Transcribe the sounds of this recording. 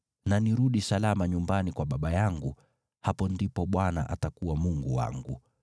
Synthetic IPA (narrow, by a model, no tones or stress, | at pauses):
naniɾuɗisalamaɲumbanikwaɓaɓajaŋɡu | hapɔndipɔɓwana̰ʔatakuwamuŋɡṵwa̰ŋɡṵ